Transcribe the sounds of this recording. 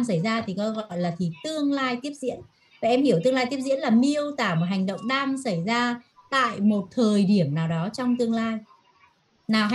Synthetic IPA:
ŋsa˧˩jzaː˧t̪ʰi˨˩kɔ˨˦ɣɔ̰˧˨jlaː˨˩t̪ʰi˨˩t̪ɨ˧əŋlaː˧jt̪i˦˥əp̚zḭ˧˥ən | va˨˩ʔɛ˧mhi˧˩əwt̪ɨ˧əŋlaː˧jt̪i˦˥p̚zḭ˧˥ənlaː˨˩mi˧əwt̪aː˧˩mo˨˩t̚ha˨˩jŋ̟ɗə̰˧˨wŋ͡mɗaː˧ŋsa˧˩jzaː˧ | t̪a̰ː˧˨jmo˨˩t̚t̪ʰəː˨˩jɗi˧˩əmnaː˨˩wɗɔ˨˦t͡ɕɔ˧wŋ͡mt̪ɨ˧əŋlaː˧j | naː˨˩w

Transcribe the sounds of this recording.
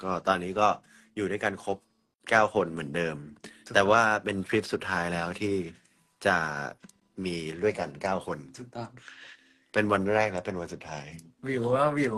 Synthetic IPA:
kɔː˥˩t̪ɔː˧nːiː˦˥kɔː˥˩ | juː˨˩daː˥˩˨jkaː˧nkʰo˦˥p̚ | kaː˥˩wkʰo˧nmɯ˩˦əndɤː˧mt̪ɛː˨˩waː˥˩pe˧nt̪ʰɾi˦˥p̚su˨˩t̪ʰːaː˦˥jlɛː˦˥wt̪ʰiː˥˩ | t͡ɕa˨˩ | miː˧ɾu˥˩əjka˧nkaː˥˩wkʰo˧n | pe˧nwa˧nɾɛː˥˩k̚lɛː˦˥pe˧nwa˧nsu˨˩t̪ʰːaː˦˥jwi˧˩˥wi˧˩

